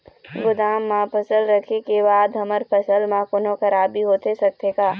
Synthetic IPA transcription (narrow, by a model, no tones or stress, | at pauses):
ɡʊd̪aːmːãːpʰəsəlɾɐkʰekebaːd̪ɦɐməɾpʰɐsəlmãkonõkɐɾaːbʱiɦoːt̪esɐk̚t̪ekaː